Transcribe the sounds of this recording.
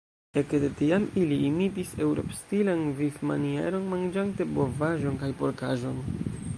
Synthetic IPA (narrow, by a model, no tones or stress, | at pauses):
ekdetiamiliːmitise̞wɾo̞̰pstilanvifmanie̞̰ɾo̞nmand͡ʒante̞bo̞vaʒo̞nkajpo̞ɾkaʒo̞n